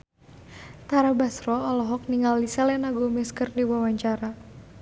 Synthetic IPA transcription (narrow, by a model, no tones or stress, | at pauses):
t̪aɾabasrɔɔlɔɦɔk̚niŋɡalːisɛlɛnaɡomɛskərdiwawaɲt͡ʃaɾa